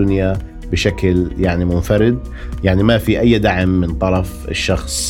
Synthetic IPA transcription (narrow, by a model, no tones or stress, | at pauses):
ʊnja | bɪʃakljaʕnimʊnfaɾɪd̪̚ | jaʕnimafiʔajːd̪aʕmːɪnt̪ˤɑɾˤɑfɪ̰ʃːɑxsˤ